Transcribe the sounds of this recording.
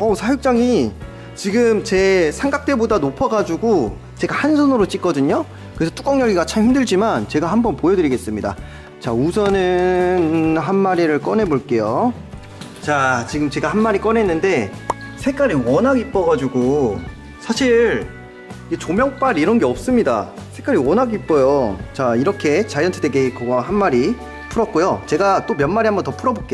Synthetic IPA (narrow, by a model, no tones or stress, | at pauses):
ʌsʰajuk̚t͡ɕ͈aŋi | t͡ɕiɡɯmt͡ɕe̞sʰaŋɡak̚t͈ebodanopʰʌɡad͡ʑuɡo | t͡ɕe̞ɡahansʰʌnɯɾot͡ɕ͈ik͈ʌdɯɲo | kɯɾesʰʌt͈ʰu̥k͈ʌŋɲʌɡiɡat͡ɕʰamɸindɯɭd͡ʑimant͡ɕe̞ɡahambʌnpojʌdɯɾiɡe̞s͈ɯmɲida̰ | t͡ɕausʰʌnɯnɦanmaɾiɾɯɭk͈ʌnɦe̞boɭk͈e̞jo | t͡ɕat͡ɕiɡɯmt͡ɕe̞ɡahanmaɾik͈ʌnɦe̞nːɯnde̞sʰe̞k͈aɾiwʌnɦaɡip͈ʌɡad͡ʑuɡo | sʰaɕʰiɭ | ɡet͡ɕomjʌŋp͈aɾiɾʌnɡe̞ʌp̚s͈ɯmɲida̰sʰe̞k͈aɾiwʌnɦaɡip͈̚ʌjot͡ɕaiɾʌkʰe̞t͡ɕajʌntʰɯdeɡekʌɡʌɦanmaɾi | pʰuɾʌt̚k͈ojot͡ɕe̞ɡat͈omjʌnmaɾiɦambʌntʌpʰuɾʌbok͈ejo